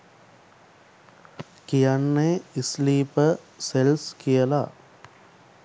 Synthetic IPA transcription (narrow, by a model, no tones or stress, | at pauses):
kijanːeisliːpə | selskijəla